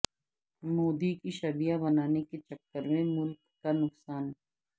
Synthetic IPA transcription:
moːd̪ikiʃɐbijabɐnaːneket͡ʃɐkːəɾmẽmʊlkːanʊksaːn

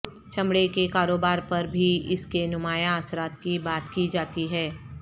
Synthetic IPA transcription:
t͡ʃɐ̃mɽekekaːɾoːbaːɾpɐɾbʱiɪskenʊmaːjaəsɾaːt̪kibaːt̪kid͡ʒaːt̪iɦɛː

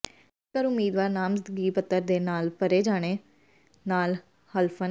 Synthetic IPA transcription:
kəɾʊmːiːd̪ʋaːɾnaːmzəd̪ɡiːpət̪ːəɾd̪eːnaːlpəɾeːd͡ʒaːɽ̃eː | naːl | həlpʰən

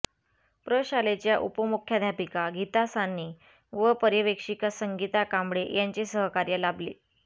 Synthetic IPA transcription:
pɾəɕalet͡ɕjaʔupəmukʰjad̪ʱjapikaɡit̪asanːiː | ʋəpəɾjəʋekʂikəsəŋɡit̪akambɽejaɲt͡ɕesəɦəkaɾjalablḛ

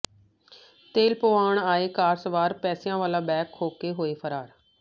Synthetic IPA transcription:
t̪eːlpoʋaːɳ̃aːeːkaːɾsʋaːɾpɛːsɪjãːʋaːlaːbɛːkʰːoːkeɦoːefʰəɾaːɾ

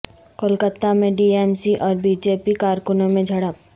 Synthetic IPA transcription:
kəlkət̪amẽɖiːemsiʔɔːɾbid͡ʒeːpikaːɾkʊnõmẽd͡ʒʱɐɽəp

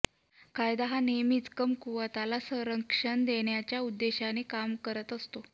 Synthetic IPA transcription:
kajd̪aɦanemiːt͡skəmkuʋat̪alasəɾəkʂənd̪eɳjat͡ɕjaud̪ːeɕanikamkəɾət̪əst̪o

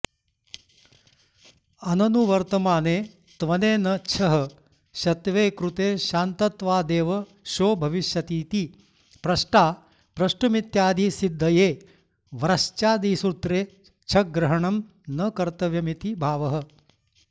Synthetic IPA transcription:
ɐnɐnuʋɐɾt̪ɐmaːneː | t̪ʋɐneːnɐt͡ʃʰɐɦɐ | ʃɐt̪ʋeːkɾut̪eːʃaːnt̪ɐt̪ʋaːd̪eːʋɐ | ʃoːbʱɐʋiʃjɐt̪iːt̪i | pɾɐʃʈaː | pɾɐʃʈumit̪jaːd̪ʱisid̪ʱːɐjeː | ʋɾɐʃt͡ʃaːd̪iːsuɾt̪ɾeː | t͡ʃʰɐɡɾɐɦɐɳɐm | nɐkɐɾt̪ɐʋjɐmit̪ibʱaːʋɐɦɐ̆

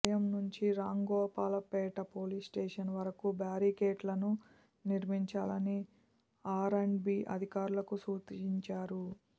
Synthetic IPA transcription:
jɐmnuɲt͡ʃiɾaːŋɡɔːpaːlɐpɛːʈɐpoːlisʈeːʂɐnʋɐɾɐkubaːɾikeːʈlɐnu | niɾmiɲt͡ʃaːlɐni | aːɾeɳɖbiːʔɐ̰d̪ʱikaːɾulɐkusuːt̪iɲt͡ʃaːɾu

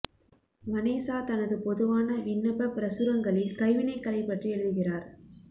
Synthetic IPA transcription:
mɐneːsaːt̪ɐnɐðɯpɔðɯʋaːnɐʔɪnːɐpɐpɪɾɐsɯɾɐŋɡɐɭɪlkɐɪʋɪnɐɪkːɐlɐɪpːɐʈriɛɻɯðɯɣɪraːɾ

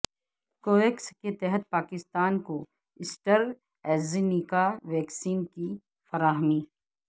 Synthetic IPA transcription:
koːeksket̪ɛɦət̪̚paːkɪst̪aːnko | ɪsʈəɾ | ɛːzɪnikaʋɛːksiːnki | fɐɾaːɦmiː

